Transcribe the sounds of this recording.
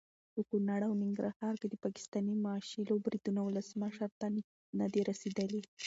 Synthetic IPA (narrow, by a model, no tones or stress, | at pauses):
pəkunɑɽawnɪŋɡɾahɑɾked̪əpɑkɪ̥st̪ɑnimɑːʃilobɾid̪unawʊləsməʃəɾt̪a | nad̪eɾased̪əli